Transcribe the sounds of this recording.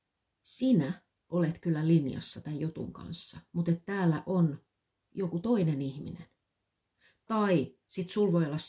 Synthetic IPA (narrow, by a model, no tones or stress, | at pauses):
sinæ | ʔolet̪kylːælinjɑ̰sːɑt̪æjjut̪ṵŋkɑ̰nsːɑmut̪et̪tæːlːæʔon | jokut̪oinenihmḭnen | t̪ɑi | sit̪sulʋojolːɑs